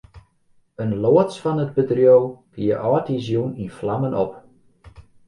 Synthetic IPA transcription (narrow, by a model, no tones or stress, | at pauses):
ənloətt͡sfɔnəd̚bədrjowkiəʔɔːtizjuninflamənɔp